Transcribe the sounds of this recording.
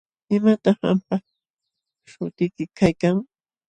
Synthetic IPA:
ɪmat̪ɑχa̰mpa | ʃʊt̪ɪjkɪkʰajkaŋ

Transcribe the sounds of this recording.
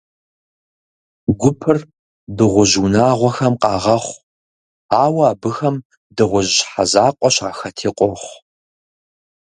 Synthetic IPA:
ɡʷʊpʰɨr | dɨʁʷʊʒuːnaːʁʷɔxɐmqʼɑːʁɐχʷ | aːwɐaːbɨxɐm | dɨʁʷʊʑħa̰zaːqʷʼɔɕaːxɐtʰiːqʷʼɔχʷ

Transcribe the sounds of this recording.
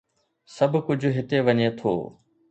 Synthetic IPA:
səbʱkʊd͡ʑʱɦɪt̪eʋəɲet̪ʰo̰ː

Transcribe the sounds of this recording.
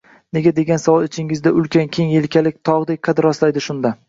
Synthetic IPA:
ne̞ɡʲad̪e̞ɡʲansavɒlˠɪt͡ʃʰɪŋɪzd̪aʊlˠkʲankʲʰeŋjelkʲʰalɪk̚ʲt̪ʰɒʁd̪ek̚ʲqʰɑd̪ɪɾɒslajd̪ɪʃʊnd̪a

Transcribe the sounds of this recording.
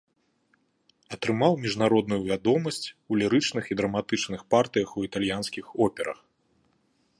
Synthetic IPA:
ɐt̪ɾɨmawmʲiʐnaɾɔd̪nujuvʲad̪ɔmɐsʲt͡sʲulʲiɾɨt͡ʂnɨxid̪ɾɐmat̪ɨt͡ʂnɨxpart̪ɨjɐxuit̪alʲjanskʲixɔpʲɛɾɐ̰x

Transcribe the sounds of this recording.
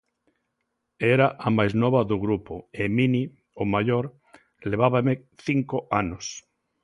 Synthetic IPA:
eɾaʔamajznɔβaðoɣɾupoemini | omaʎoɾ | leβ̞aβameθiŋkoanos

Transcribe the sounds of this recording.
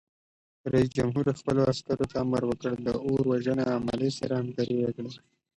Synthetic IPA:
ɾais̬d͡ʒamɦuɾxpəloaskaɾot̪aːmaɾwəkəɽd̪əoɾwaʒənaːma̰lesaɾahamkaɾiwakɽe

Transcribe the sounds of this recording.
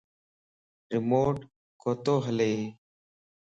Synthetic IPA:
ɾɪmoːʈ | koːt̪oːɦəleː

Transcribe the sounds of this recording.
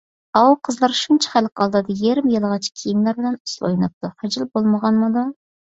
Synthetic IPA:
ɑwqʰəzlˠɑɾʃunt͡ʃʰɛ̥χælqɑlˠd̪ɨd̪ɑjeɾɪmjɪlˠʁɑt͡ʃʰɪ̥kʲʰijimlæɾbɪlɛnuslˠo̰jnɨp̚t̪ʰuhæd͡ʒɪlˠbolˠməʁɑnmɨd̪u

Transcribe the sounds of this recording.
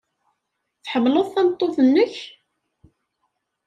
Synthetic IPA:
θħəmːlʊðˤθænt̪ˤːoθənːəç

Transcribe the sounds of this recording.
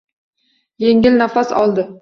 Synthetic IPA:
jeŋɪlnafasɒ̰lˠd̪ɪ

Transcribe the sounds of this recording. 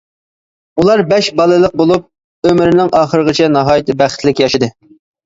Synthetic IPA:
ulˠɑɾbɛʃbɑlˠɨlˠəq̚bolˠup̚ | ømɪɾɪnɪŋʔɑːχəɾəʁət͡ʃʰɛnɑɦɑːjt̪ʰɪbæχə̥t̪lɪkʲjɑʃɨd̪ɨ

